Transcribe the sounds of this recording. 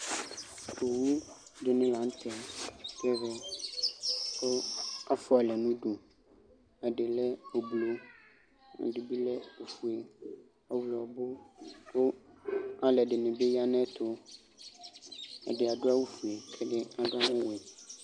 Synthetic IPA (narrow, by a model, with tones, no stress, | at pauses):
ko˨wu˦ | do˦nĩ˦lã˨˦n̩˦t̪ʰɛ˦pɛ˦ɣɛ˦ | o˦a˦fu˦a˨lɛ˨nũ˦ɖo˨ | ɛ˨ɖe˨lɛ˦o˨blo˨ | a̰˨du˦bi˦lɛ˦o˨fu˨e˨ | a˦wlɔ˨bo˦wo˦ | a˨lɛ˨ɖe˨nẽ˨be˦ja˦nɛ̃˦t̪ʰo˦ | ɛ̰˨dɪ˨a˨ɖo˦a˦wu˦fu˨e˨kʰɛ˦ɖe˦a˨dʊ˦a˦mʊ̃˦wɛ˨